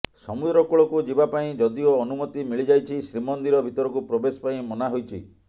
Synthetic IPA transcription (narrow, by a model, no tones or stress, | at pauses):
sɔmud̪ɾɔkuɭɔkud͡ʒibapaĩd͡ʒɔd̪ioːnumɔt̪imiɭid͡ʒajt͡ʃʰisɾimɔnd̪iɾɔbʱit̪ɔɾɔkupɾɔbesɔ̥paĩmɔnaɦojt͡ʃʰḭ